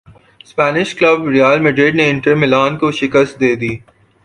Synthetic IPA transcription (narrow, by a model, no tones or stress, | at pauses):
spɛːnɪʃkləbɾijaːlmeɖeːɖneɪ̃ɳʈəɾmɪlaːnkoʃɪkəst̪̚d̪eːd̪iː